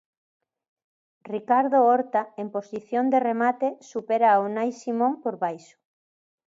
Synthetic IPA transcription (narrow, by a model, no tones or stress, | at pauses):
rikaɾðooɾt̪aemposiθjond̪eremat̪esupeɾaonajsimõŋpoɾβajʃo̥